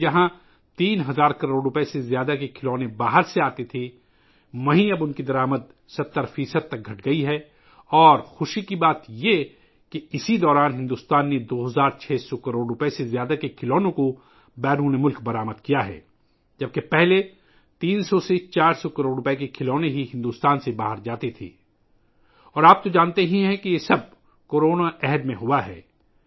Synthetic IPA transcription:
d͡ʒɐɦã | t̪iːnɦɐzaːɾkɐɾoːɖɾʊpesezjaːd̪akekʰɪloːnẽbaːɦəɾseaːt̪et̪ʰe | mɐɦĩɐbʊnkid̪ɐɾaːməd̪̚ | sɐt̪ːəɾfiːsəd̪̚t̪ɐk̚ɡʱɐʈɡɐiɦɛː | ɔːɾxʊʃikibaːt̪je | keɪsid̪ɔːɾaːnɦɪ̃nd̪uːst̪aːnːed̪oːɦɐzaːɾt͡ʃʰɛːsɔkɐɾoːɖɾʊpesezjaːd̪akekʰɪlɔːnõko | bɛːnũnemʊlkbɐɾaːməd̪̚kijaɦɛ̰ː | d͡ʒɐb̚kepɛɦle | t̪iːnsɔset͡ʃaːɾsɔkɐɾoːɖɾʊpek̬ekʰɪloːneɦiɦɪ̃nd̪uːst̪aːnsebaːɦəɾd͡ʒaːt̪it̪ʰḭː | ɔːɾaːp̚t̪od͡ʒaːnt̪eɦĩɦɛ̃kijesɐb̚ | koːɾoːnaʔɛɦəd̪mẽɦʊaɦɛ̰ː

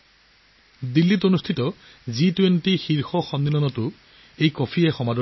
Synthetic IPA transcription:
d̪ilːitonustʰitɔ | zitwentixiɹxɔxɔnːilɔnɔtʊ | ejkɔpʰiɛxɔmadɔ

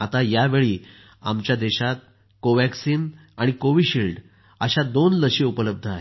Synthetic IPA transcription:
at̪ajaʋeɭiː | a̰mt͡ɕjad̪eɕat̪̚ | koʋæksiːnaɽ̃ikoʋiːɕilɖ | əɕad̪onləɕiupələb̚d̪ʱəaɦe

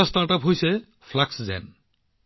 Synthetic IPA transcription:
astaɹʈapɦojsɛ | pʰlakszɛ̰n

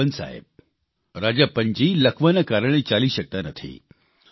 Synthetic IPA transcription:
ənsa̰jə̰b̚ | ɾad͡ʑapəɲd͡ʑiːləkʰʋənakaɾəɳ̃et͡saliːɕək̚t̪anət̪ʰḭ

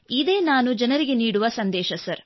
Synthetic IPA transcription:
id̪e̞ːnaːnud͡ʒɐnɐɾiɡeniːɽuʋɐsɐnd̪ɛːʃɐsɐɾ

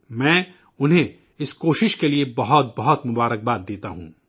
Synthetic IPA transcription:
mɛ̃ː | ʊnɦẽ | ɪskoːʃɪʃkeliebɐɦɔt̪̚bɐɦɔt̪mʊbaːɾək̚baːd̪̚d̪eːt̪aɦṵ̃ː

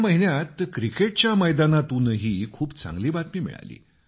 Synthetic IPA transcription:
məɦinjat̪kɾikeʈ̚t͡ɕjaməjd̪anat̪unəɦiːkʰuːpt͡sa̰ŋɡliːbat̪miːmḭɭa̰lḭː

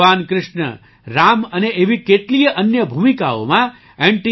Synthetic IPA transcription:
ankɾɪʂɳə̰ | ɾaməneʔeʋikeʈlijəʔənjəbʱumikao̰mã | ẽɳʈi

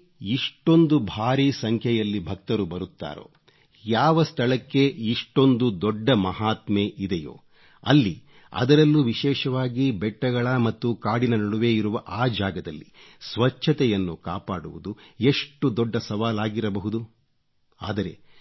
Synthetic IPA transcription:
iʂʈo̞nd̪ubʱaːɾisɐŋkʰjɛjɐlːibʱɐk̚t̪ɐɾubɐɾut̪ːa̰ːɾo̰ː | jaːʋɐst̪ʰɐɭɐkːe̞iʂʈo̞nd̪ud̪ɔɖːɐmɐɦaːt̪meʔid̪ɛjo̰ː | ɐ̰lːi | ɐ̰d̪ɐɾɐlːuʋiʃɛːʃɐʋaːɡibɛʈːɐɡɐɭɐmɐt̪ːukaːɽinɐnɐɽuʋe̞ːiɾuʋɐʔaːd͡ʒaːɡɐd̪ɐlːisʋɐt͡ʃʰːɐt̪ɛjɐnːukaːpaːɽṵʋud̪ue̞ʂʈud̪ɔɖːɐsɐʋaːlaːɡiɾɐbɐɦud̪u | a̰ːd̪ɐɾe̞̰

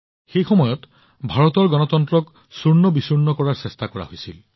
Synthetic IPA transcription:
xejxɔmɔjɔt | bʱaɹɔt̪ɔɹɡɔnɔt̪ɔntɹɔk | suɹnɔbisuɹnɔkɔɹaɹsestakɔɹa̰ɦojsil

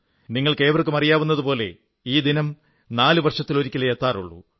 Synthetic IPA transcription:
niŋːɐɭke̞ːʋrkːɨmɐrijaːʋunːɐðupo̞ːle̞̰ | iːd̪inɐm | naːlɨʋɐrʂɐt̪ːilo̞ɾikʲːilejet̪ːaːrṵɭːṵ

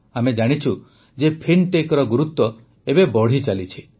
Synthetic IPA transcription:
amed͡ʒaɽ̃it͡ʃʰu | d͡ʒepʰinʈekɔɾɔɡuɾut̪ːwɔ | ebebɔɽ̤it͡ʃalit͡ʃʰi

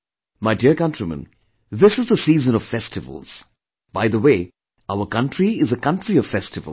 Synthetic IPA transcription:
maɪdiəɹkʌ̃ntɹ̥imə̰̃n | ðɪsɨzðəsiːzə̃nɔv̥fɛstɨvə̰l̩ˠz̥ | b̥aɪðəwe | aʊə˞kʌ̃ntɹiɪzəkʌ̃ntɹiʌv̥fɛstɨvə̰l

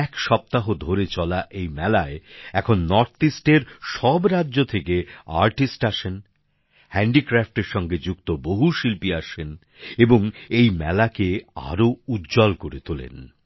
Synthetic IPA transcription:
ɛkʃɔp̚t̪aɦod̪ʱoɾet͡ɕɔlaʔejmɛlaeɛkʰonːɔɾt̪ʰisʈeɾʃɔbɾadːʑot̪ʰekea̰ɾʈisʈaʃen | hɛɳɖikɾafʈeɾʃɔŋɡed͡ʑukt̪oboɦuʃilpiaʃen | eboŋejmɛ̰lakea̰ɾoud̪d͡ʑɔlkoɾet̪ulḛn

